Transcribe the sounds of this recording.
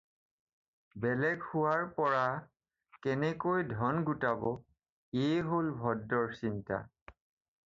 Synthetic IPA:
bɛlɛɡhʊwaɹpɔɹa | kɛnɛkojdʱɔnɡutabɔ | eɦolbʱɔdːɔɹsinta̰

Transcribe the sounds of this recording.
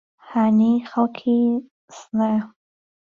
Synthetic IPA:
hanixalkʰi | sna

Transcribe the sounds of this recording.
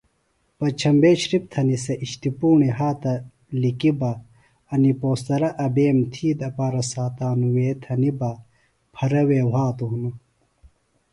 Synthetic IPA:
pɐt͡ɕʰɐmbeːɕɾip̚t̪ʰɐnisɐʔiɕt̪ipuːɳiɦaːt̪ɐ | likibɐ | ɐnipoːst̪ɐɾɐʔɐbeːmt̪ʰiːd̪ɐpaːɾɐsaːt̪aːnuweːt̪ʰɐnibɐ | pʰɐɾɐweːwɦaːt̪uunɐ

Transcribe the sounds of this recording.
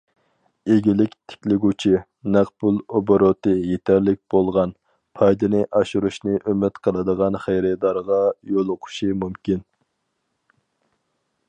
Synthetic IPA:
eɡʲilɪkʲt̪ʰɪ̥kʲlɪɡʲut͡ʃʰi | næqpulˠoboɾot̪ɨjet̪ʰæɾlɪk̚ʲb̥olˠʁɑn | pʰɑjd̪ɨnɨʔɑʃuɾuʃnɨʔømɪt̪qʰəlˠɨd̪əʁɑnχejɾɛd̪ɑɾʁɑjolˠʊqʰʊ̥ʃimumkʲin

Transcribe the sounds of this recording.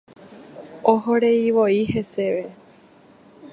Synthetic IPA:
oɦoɾe̞iʋoihe̞se̞ʋe

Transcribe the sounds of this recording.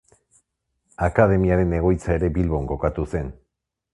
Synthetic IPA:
akaðe̞miaɾe̞ne̞ɣ̞o̞jt͡sae̞ɾe̞bilβo̞ŋko̞kat̪use̞n

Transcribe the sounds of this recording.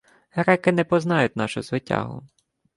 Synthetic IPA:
ɦɾɛkɪnɛpɔznɑjʊt̚ʲnɑʃʊzʋɪtʲa̰ɦʊ̰

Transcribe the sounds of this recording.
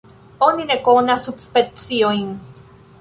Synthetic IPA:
oninekonasut͡spet͡sioiŋ

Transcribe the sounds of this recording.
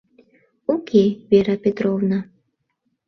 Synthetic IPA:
ukʲejvʲɛɾɐpʲɛt̪ɾɔwnɐ

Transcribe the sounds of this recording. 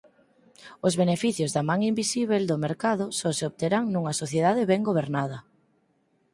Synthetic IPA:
ʊzβenefiθjʊzðɐmãŋimbisiβ̞eld̪omeɾkaðʊsɔseoβt̪eɾaŋnuŋɐsoθjeðaðɪβɛŋɡoβ̞eɾnaðɐ

